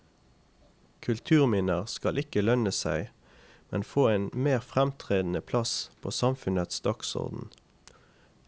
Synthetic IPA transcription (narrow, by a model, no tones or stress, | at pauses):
kʰʉlt̪ʰʉːʁmɪnəʁskɑlʔɪkəlœnəsæɪ | mɛnfoːeːnmeːʁfʁɛmt̪ʰʁeːd̪n̩əpʰlɑspʰo̰ːsɑmfʉnət̪sd̪ɔksɔ̰ʁd̪n̩